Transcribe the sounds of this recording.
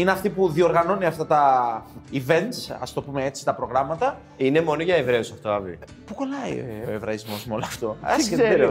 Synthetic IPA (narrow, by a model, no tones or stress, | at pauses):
ineɐft̪ipuðio̞ɾɣɐno̞niɐft̪ɐt̪ɐ | ive̞nt̪sɐ̰st̪o̞pume̞e̞t͡si̥t̪ɐpɾoɣɾɐmɐt̪ɐ | ine̞mo̞noʝɐevɾe̞osɐft̪oɐvḭ | pukolɐḭo̞̰evɾɐizmo̞smolɐft̪o̞ɐske